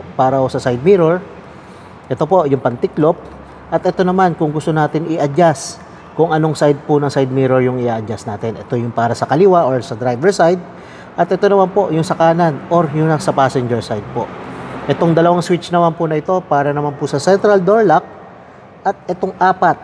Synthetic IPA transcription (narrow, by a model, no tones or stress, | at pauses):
paːɾɐhosɐsajd̪̚miɾoɹ | ʔɛt̪o̞po̞ʔjʊŋpɐnt̪ɪklo̞p̚ | ʔɐt̪ʔɛt̪o̞nɐmankʊŋɡʊst̪o̞naːt̪ɪnɪʔɐd͡ʒas | kʊŋʔɐno̞ŋsajd̪̚pʊnɐŋsajd̪̚miɾoɹjʊŋɪʔaːʔɐd͡ʒasnaːt̪ɪnʔɛ̰t̪o̞jʊŋpaːɾɐsɐkɐlɪwaʔoɹsɐd̪ɾajvɛɹsajd̪̚ | ʔɐt̪ʔɛt̪o̞nɐmanpo̞ʔjʊŋsɐkaːnɐnʔoɾjʊŋnɐsɐpaːsɛnd͡ʒɛɹsajd̪̚po̞̰ʔʔɛt̪o̞ŋd̪ɐlɐwaŋswɪt͡ʃnɐmanpʊnɐʔɪt̪o̞paːɾɐnɐmanpʊsɐsɛnt̪ɾɐld̪oɹlak̚ | ʔɐt̪̚ʔɛt̪o̞ŋʔaːpɐt̪̚